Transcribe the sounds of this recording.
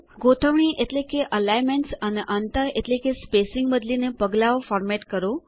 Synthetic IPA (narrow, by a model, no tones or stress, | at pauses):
ɡot̪ʰəʋɳ̃iʔeʈlekeʔəlajmeɳʈsəneʔənt̪əɾeʈlekespesɪŋɡbəd̪linepəɡlaʋofɔɾmeʈkəɾo